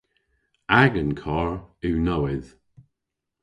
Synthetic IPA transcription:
aɡənkʰɔɹʉːnɔwɪð

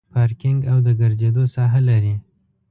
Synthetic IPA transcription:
pɑɾkɪŋɡawd̪əɡəɾzed̪osɑɦalaɾi

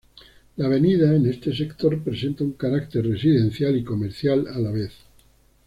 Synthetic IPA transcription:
laːβ̞e̞niðaene̞st̪e̞se̞kt̪o̞ɾpɾe̞se̞nt̪auŋkaɾak̚t̪e̞ɾre̞siðe̞n̟θjaliko̞meɾθjalalaβ̞e̞θ

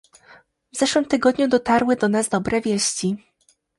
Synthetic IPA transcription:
vzɛʂwɘmt̪ɘɡɔd̪ɲud̪ɔt̪aɾwɘd̪ɔnazd̪ɔbɾɛvʲjeɕt͡ɕi

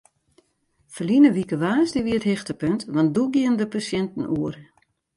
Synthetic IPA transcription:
fəlinəʋikəʋaːsdiʋiəthɪxtəpøntʋɑnt̚duɡiəndəpasjɛntn̩uər

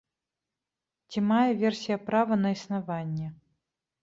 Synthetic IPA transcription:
t͡sʲimajɛvʲɛrsʲijɐpɾavɐnɐisnavanʲːɛ

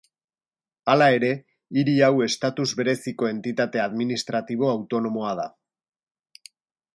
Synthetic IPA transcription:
alae̞ɾe̞ | iɾiawe̞st̪at̪uzβe̞ɾe̞siko̞e̞nt̪it̪at̪e̞aðminist̪ɾat̪iβ̞o̞awt̪o̞no̞mo̞að̞a

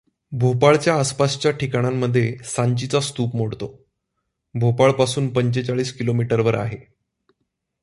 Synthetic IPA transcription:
bʱopaɭt͡ɕjaːspast͡ɕjaʈikaɽ̃amːəd̪ʱːjesaɲt͡ɕit͡sast̪uːpmoɽt̪o | bʱopaɭpasuːnpəɲt͡ɕet͡saɭiːskilomiʈəɾʋəɾa̰ɦe

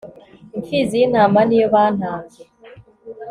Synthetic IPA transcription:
ŋkizinaːmaniβaːnaːe

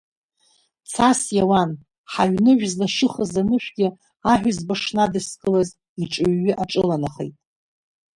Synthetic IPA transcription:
t͡sʰasjawan | ħaɥnɨʕʷᶣzlaʃɪχəzanɨʃᶣɡʲɪ | aħᶣʷazbaʂnadɨskʼɨlaz | iʈ͡ʂʼɨɥːɪʔaʈ͡ʂʼɨlanaχḛjtʼ

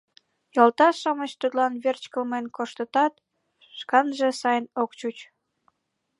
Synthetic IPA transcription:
jolt̪ɑʃɑmət͡ɕt̪ut̪lɑnβert͡ɕkəlmenkoʃt̪ət̪ɑt̪̚ | ʃkɑnʒesɑjənokt͡ɕut͡ɕ

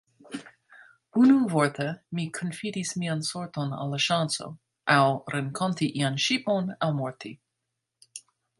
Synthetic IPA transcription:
unuvɔɹt̪ʰəmikʰɔnfidismiansoɹt̪ona̰laʃanso̰ | ʔawɾɛnkʰɔntiʔianʃiponawmɔɹt̪ʰi

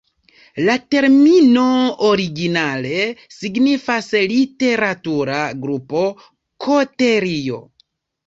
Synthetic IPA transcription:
late̞ɾmino̞oɾiɡinale̞siɡnifaslite̞ɾatuɾaɡɾupo̞ | kʰo̞te̞ɾio̞̰

